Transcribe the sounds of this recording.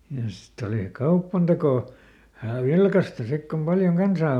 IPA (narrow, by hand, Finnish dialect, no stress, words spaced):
jɑ sitː oliˑ kɑupːɑntekoˑ ʋæhæˑ ʋilkɑstɑ sik kom pɑljoŋ kɑnsɑː